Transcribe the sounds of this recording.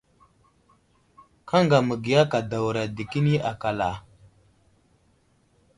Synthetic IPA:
ka˦ŋɡa˨mə˨ɡi˨ja˦ka˨da˨wɾa˨di˨ki˦ni˦ʔa˨ka˨la˨

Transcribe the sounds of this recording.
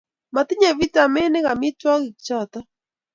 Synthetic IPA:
ma˨t̪i˦ɲɛ˨βi˦ta˨mɛ˦nɛ˦ɣa˨mi˦twa˦ɣɪ˨kt͡ʃa˦˨t̪a˦

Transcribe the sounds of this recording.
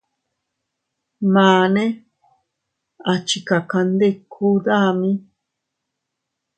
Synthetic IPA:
mãː˨nẽ˦ | a˨t͡ʃi˨ka˨ka˧nd̪e˦kʰu˦d̪a˦mĩ˦

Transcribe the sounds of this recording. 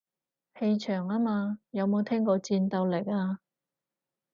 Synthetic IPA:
he˧jt͡ʃʰœː˨˩ŋaː˥maː˧jɐ˨˧wmo˨˧wt̪ʰɛː˥ŋkɔː˧t͡siː˧nt̪ɐ˧wle˨˩jaː˧

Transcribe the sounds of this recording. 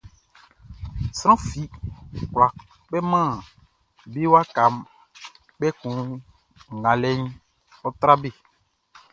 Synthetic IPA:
sɾ̃ɔ̃˦fi˨kla˨ | k͡pɛ˦mãː˦˨ | be˦wa˦ka˨m | k͡pɛ˦kũ˨ | ɡã˨lɛ˦ɲ | ɔ˦t̪ɾa˦be˦˨

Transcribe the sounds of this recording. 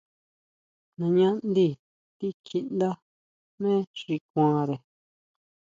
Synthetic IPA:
nã˧ɲã˦nd̪i˧ | t̪i˦ki˧nd̪a˦ | mẽː˦ʂʐi˧k̚ʷãː˧ɾe˨

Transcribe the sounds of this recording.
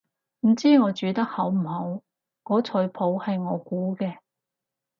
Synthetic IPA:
m̩˨˩t͡siː˥ŋɔː˨˧t͡ʃyː˨˧t̪ɐ˥k̚hɐ˨˥wm̩˨˩hɐ˨˥w | kɔː˨˥t͡sʰɵ˨˥ɥpʰo˨˥whɐ˨jŋɔː˨˧kuː˨˥kɛː˧

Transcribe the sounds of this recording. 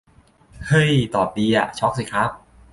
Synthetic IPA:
hɤ˧˥˩jt̪ɔː˨˩p̚diː˧a˨˩t͡ɕʰɔː˦˥k̚siː˨˩kʰɾa˦˥p̚

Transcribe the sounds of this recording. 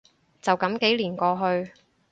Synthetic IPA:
t͡sɐ˨wkɐ˨˥mke˨˥jliː˨˩nkɔː˧ɦɵ˧ɥ

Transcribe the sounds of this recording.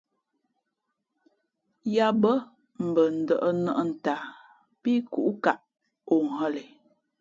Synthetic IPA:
ja˦bə˦ | m̩˨bə˨n̩˨də˨ʔə˦nə˦ʔə˦n̩˨ta˨ | pi˦ku˨ʔu˦ka˨ʔ | o˨ŋ̩˨ɦə˦le˨

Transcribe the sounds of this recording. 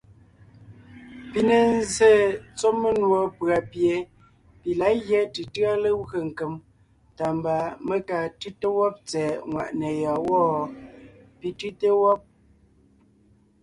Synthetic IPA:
pi˨ne˨n˦ze˦˨t͡so˦mə˦nwo˨˦pɰa˨pje˨ | pi˨la˨˦ɣjɛ˦tɨ˨tɰa˦lə˦ə˨ŋ̩˨kə˨m | ta˨mba˨mə˦ka˨tʉ˦tə˦wɔ˦p̚t͡sɛː˨ŋwa̰˨ʔne˨jɔ˨wɔ˦˨ | pi˨tʉ˦te˦wɔ˦p̚

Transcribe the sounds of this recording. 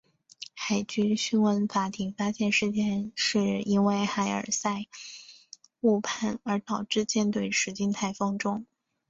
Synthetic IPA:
xa˨˩ɪt͡ɕy˥ɕy˥nwə˧˥nfa˧˥t̪ʰi˧˥ŋfa˥ɕjɛ˥˧nʂɻ̩˥˧t͡ɕjɛ˥˧nʂɻ̩˥˩i˥nwe˥˩ɪxa˧˥ɪə̰˞˨˩sa˥˧ɪ | u˥˧pʰa˥˩nə˞˧˥t̪ɑ˨˩ʊʈ͡ʂɻ̩˥˧t͡ɕjɛ˥˧nt̪we˥˩ɪʂɻ̩˧˥t͡ɕi˥˧ŋt̪ʰa˥˩ɪfɤ˥ŋʈ͡ʂʊ˥ŋ

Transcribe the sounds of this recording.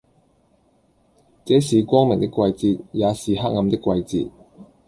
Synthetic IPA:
t͡sɛː˨˥siː˨kʷɔː˥ŋmɪ˨˩ŋt̪ɪ˥kʷːwɐ˧jt͡siː˧t̚jaː˨˧siː˨ɦaː˥k̚ŋɐ˨˧mt̪ɪ˥kʷːwɐ˧jt͡sḭː˧t̚

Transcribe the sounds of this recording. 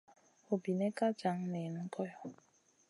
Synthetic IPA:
o˨bi˨nɛ˦ka˦d͡ʒa˨˦ŋ˦ne˨n̩˦kɔ˦jɔ˨

